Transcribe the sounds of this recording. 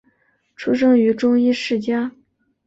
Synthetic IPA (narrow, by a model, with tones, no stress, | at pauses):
ʈ͡ʂʰu˥ʂ̬ɤ˥ŋy˧˥ʈ͡ʂʊ˥ŋi˥ʂɻ̩˥˩t͡ɕja˥